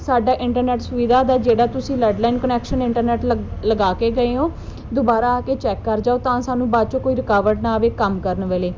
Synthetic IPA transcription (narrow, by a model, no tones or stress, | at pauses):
saːɖaːʔɪ̃ɳʈəɾnɛːʈsʊʋiːd̪ʱaːd̪aːd͡ʒeːɽaːt̪ʊsĩːlɛːɖlaːinkənɛːkʃənɪɳʈəɾnɛːʈləɡaːkeːɡəẽːõː | d̪obaːɾaːaːkeːt͡ʃɛːkːəɾd͡ʒaːoːt̪ãːsaːnũːbaːt͡ʃõːkoːiːɾɪkaːʋəɾʈnaːəʋeːkəmkəɾənʋeːleː